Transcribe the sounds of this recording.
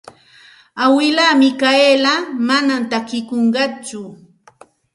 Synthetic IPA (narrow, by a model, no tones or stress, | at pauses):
awɪlamɪkaelamanamt̪akɪkoɴɢɑt͡ʃʊ